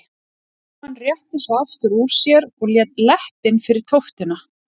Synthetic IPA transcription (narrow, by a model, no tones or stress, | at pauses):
hanːrjɛht̪ɪsɔaft̪ʏɾuːɾ̥sjɛɾɔɣljɛːt̪lɛhpɪnːfɪɾɪɾ̥t̪ʰowft̪ɪna